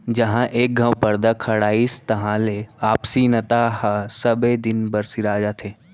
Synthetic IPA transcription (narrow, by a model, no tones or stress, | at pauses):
d͡ʒɐɦãʔeːk̚ɡʱɐ̃wpɐɾd̪akʰɐɽaːist̪ɐɦãleaːpsinɐt̪aɦasɐbed̪ɪnbɐɾsiɾaːd͡ʒat̪ʰeː